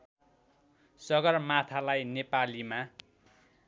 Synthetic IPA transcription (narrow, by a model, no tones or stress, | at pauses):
sʌɡʌrmat̪ʰalajnepalima